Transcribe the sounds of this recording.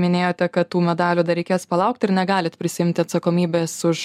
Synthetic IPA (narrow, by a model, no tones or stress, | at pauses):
mʲɪnʲeːjoːt̪ʲɛkɐt̪tuːmʲɛd̪ɑːlʲuːd̪ɐɾʲɛɪkʲeːspɐlˠɐʊkt̪ɪɾnʲɛɡɑːlʲɪt̪pʲɾʲɪsʲɪɪmʲt̪ʲɪɐt̪sɐkoːmʲiːbʲeːsʊʃ